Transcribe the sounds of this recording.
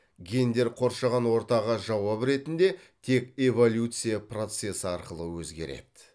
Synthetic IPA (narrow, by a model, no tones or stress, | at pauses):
ɡʲe̞nd̪e̞ɾqʰo̞ɾʃɑʁɑnwo̞ɾt̪ɑʁəʒɑwɑpɾe̞t̪ɪnd̪e̞t̪ʰe̞kʲevo̞lʲjut̪sɨjapro̞t̪se̞səɑɾqəlˠəwɵzɡʲe̞̰ɾe̞̰d̪̥ɪ